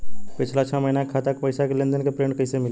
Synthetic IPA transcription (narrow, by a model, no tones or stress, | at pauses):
pɪt͡ʃʰlat͡ʃʰɔməɦinakʰat̪akpəɪsakelẽnd̪ənkepɾeːɳɖkəisemɪl